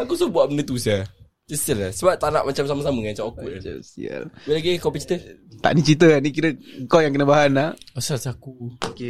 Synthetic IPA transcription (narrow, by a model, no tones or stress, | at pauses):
akusuhbuaʔbənət̪usia | d͡ʒəst̪ilasəbap̚t̪anaʔmat͡ʃamsamasaməŋat͡ʃamakuʔd͡ʒa̰sḭa̰lbelaɡekɔpit͡ʃi̥t̪ət̪a̰ʔnit͡ʃit̪̬əanik̬iɾəkɔjaŋkənəbaɦanaasalsiakuoke